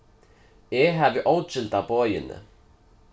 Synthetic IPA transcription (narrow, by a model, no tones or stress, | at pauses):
jɛɦavɪʔoːwt͡ʃɪlt̪awpɔːjɪ̰nːɪ̰